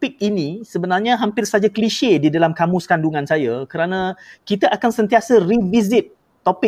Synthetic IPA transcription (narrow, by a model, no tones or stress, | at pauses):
pɪk̚inĩsəbənarɲãɦampɪrsad͡ʒakliʃedidalamkamũskanduŋãnsajakəɾanãkit̪aʔakansənt̪iasərivizɪt̪̚ː | opɪ